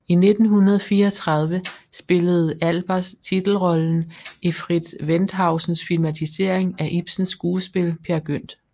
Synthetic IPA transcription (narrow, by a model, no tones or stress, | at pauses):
ine̝d̥n̩ɦunɐð̞ˠfiːɐɒt͡sʰʁɑ̈ð̞ˠʋəsb̥e̝ləð̞̩ˠæl̰b̥ɐst͡sʰid̥l̩ʁɒ̽ln̩ifʁid̥sʋend̥ɦɑ̈ʊ̰sn̩sfilmæt͡sʰise̝ɐ̰e̝ŋæʔib̥sn̩sːɡ̥uːsb̥e̝lpʰe̝ɐɡ̥øn̰d̥